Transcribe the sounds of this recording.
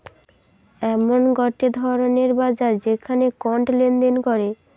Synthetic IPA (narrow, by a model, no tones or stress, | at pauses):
ɛmonɡɔʈed̪ʱɔɾoneɾbad͡ʑaɾd͡ʑekʰanekɔɳʈlend̪enkɔɾe